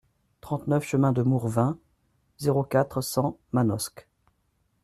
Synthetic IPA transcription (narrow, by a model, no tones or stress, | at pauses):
t̪χɑ̃t̪nœfʃəmɛ̃d̪əmuʁvɛ̃ | zeʁokʲat̪χsɑ̃manɔsk